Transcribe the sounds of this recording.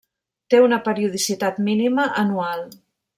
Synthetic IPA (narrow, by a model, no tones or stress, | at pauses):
t̪eunəpəɾiuð̞isit̪at̪miniməʔənual